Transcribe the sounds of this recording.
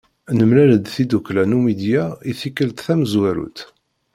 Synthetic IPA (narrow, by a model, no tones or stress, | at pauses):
nəmlæləd̪θid̪uklænumid̪jaiθikːəlt̪θæməzwæɾṵt̪